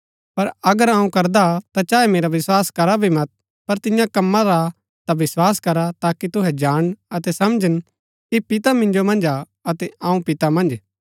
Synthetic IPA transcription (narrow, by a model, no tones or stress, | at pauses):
pɐɾɐɡəɾãːũkɐɾd̪at̪at͡ʃaːɛmeːɾaʋɪswaːskɐɾabʱimɐt̪̚ | pɐɾt̪ɪ̃jãkɐmːãɾa | t̪aʋɪswaːskɐɾat̪aːkit̪ʊɦɛd͡ʒaːɽ̃ɐt̪ɛsɐmd͡ʒən | kipɪt̪amɪ̃nd͡ʒomɐ̃nd͡ʒa | ɐt̪ɛãːũpɪt̪amɐ̃nd͡ʒ